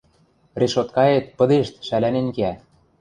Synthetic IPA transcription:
reʃot̪kɑet̪̚pɤ̆d̪eʃt̪ʃælænenkeæ

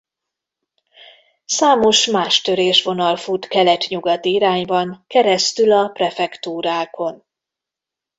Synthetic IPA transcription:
saːmo̞ʃmaːʃt̪ø̞ɾeːʃʋo̞nɒlfut̪kɛlɛt̪ɲuɡɒt̪iiɾaːɲbɒŋkɛɾɛst̪ylɒprɛfɛkt̪uːɾaːko̞n

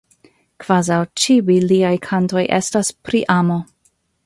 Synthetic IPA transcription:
kv̥azawt͡ʃiwiliajkʰanto̞jʔḛstaspɾiʔamo̞

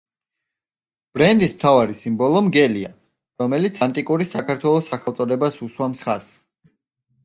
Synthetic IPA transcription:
b̥ɾɛnd̪ismt̪ʰavaɾisimbɔlˠɔmɡɛlia̰ | ɾɔmɛlit̪sʰant̪ʼikʼuɾisakʰaɾt̪ʰwɛlˠɔsakʰɛlt̪sʼɔd̪ɛbasuswamsχas

